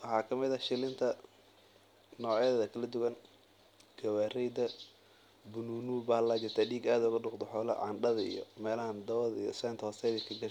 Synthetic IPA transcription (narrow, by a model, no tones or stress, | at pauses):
wɑħɑːkʰɐmɪðɐʃɪlɪnt̪ʰɐ | nɔːʕjɐðɐðɐkʰɐlɐd̪ʊɣɐn | ɡ̥ɐwaːrɛjd̪ɐ | bʊnuːnuːbaːlaːt͡ʃɪrt̪ʰaːɖiːɡaːd̪ʊɣɐɖʊqd̪ɔħɔːlɐ̰ʕɑ̰nɖɐðɐḭjɔ̰mɛːlɐɦɐnd̪ɐwɐðḭjɔ̰sɛːnt̪ʰhɔsɛjðiːkʰɐɡɐʃ